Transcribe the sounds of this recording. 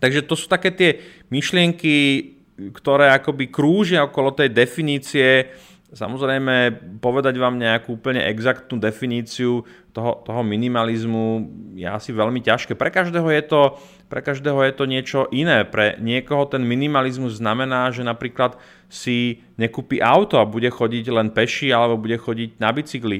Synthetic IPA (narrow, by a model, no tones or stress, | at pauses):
t̪aɡʒɛt̪ɔsuːt̪akɛːt̪ɪɛ | miʃlɪɛŋki | kt̪ɔɾɛːakɔbikɾuːʒɪaɔkɔlɔt̪ɛjd̪ɛfiniːt͡siɛ | sa̰mɔzɾɛjmɛpɔʋɛd̪aɟʋaːmɲɛakuːupl̩ɲɛ̰ʔɛɡzakt̪nuːd̪ɛfiniːt͡siu | t̪ɔɦɔt̪ɔɦɔminimalizmujɛ̰asiʋɛlmicaʃkɛːpɾɛkaʒd̪ɛːɦɔjɛt̪ɔ | pɾɛ̰kaʒd̪ɛːɦɔjɛt̪ɔɲɪɛt͡ʃɔʔinɛːpɾɛ̰ɲɪɛkɔɦɔt̪ɛnminimalizmuzːnamɛnaːʒɛnapɾiːklat̪ | si | ɲɛkuːpiʔaʊt̪ɔabuɟɛxɔɟiɟlɛnpɛʃialɛbɔbuɟɛxɔɟiɟnabit͡siɡli